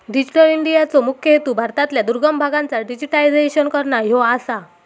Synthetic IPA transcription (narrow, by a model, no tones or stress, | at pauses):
ɖid͡ʑiʈəliɳɖijat͡sɔmukʰjəɦet̪uːbʱaɾt̪at̪ljad̪uɾɡəmbʱaɡãnt͡saɖid͡ʑiʈaid͡zeɕənkəɾɳajɔasa